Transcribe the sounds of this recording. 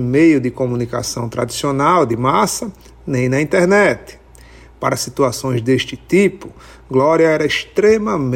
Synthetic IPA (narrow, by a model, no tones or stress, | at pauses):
mejʊd̪ɪkõmũnikasɐ̃w̃t̪ɾa̰d̪isionawd̪ɪmasɐ | nẽj̃nɐĩnt̪ɛɾnɛt̪ɪ̥ | paɾɐsit̪uasõj̃zd̪eʃt͡ʃ̪ɪt̪ipʊ | ɡlɔɾiɐɛɾɐɪʃt̪ɾẽmɐm